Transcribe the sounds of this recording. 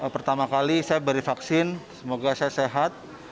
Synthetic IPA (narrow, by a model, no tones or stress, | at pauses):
pərt̪amakalisajabəɾifaksɪnsəmoɡasajaseɦat̪̚